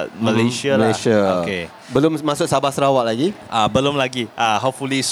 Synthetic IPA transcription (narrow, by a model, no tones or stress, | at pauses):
məleʃəməleʃaoke | bəlʊmmasʊk̚sabasəɾawaʔlaɡiʔabəlʊmlaɡiaɦop̚fulis